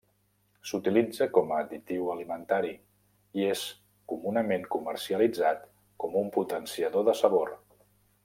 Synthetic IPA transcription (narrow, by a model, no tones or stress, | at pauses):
sut̪ilid͡zəkɔməːd̪it̪iwəlimənt̪aɾi | ies | kumunəmeŋkuməɾsiəlid͡zat̪ | kɔmumput̪ənsiəðoðəsəβor